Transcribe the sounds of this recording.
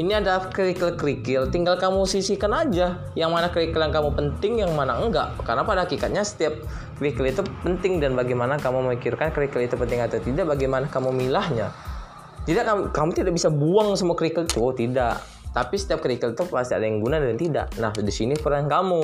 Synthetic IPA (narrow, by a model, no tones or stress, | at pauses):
iniadakəɾikəlkəɾikɪlt̪iŋɡalkamusisikanad͡ʒa | jaŋmanakəɾikəljaŋkamupənt̪ɪŋjaŋmanaŋɡaʔkərənapadaɦakikat̪̚ɲasə̥t̪iap̚ | kəɾikəlit̪upənt̪ɪŋdanbaɡajmanakamuməmikɪrkankəɾikəlit̪upənt̪ɪŋat̪at̪idaʔbaɡajmanakamumilahɲa̰ | t̪idaʔkamukamut̪idaʔbisabuaŋsəmuakɾikəlit̪ut̪idaʔ | t̪apisə̥t̪iap̚kəɾikəlit̪upast̪ia̰dajaŋɡunadaant̪ida̰ʔnahdisinipəɾankamu